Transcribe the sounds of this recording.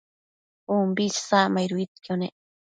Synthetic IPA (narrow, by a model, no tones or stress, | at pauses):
umbissamajɾuit̪kjone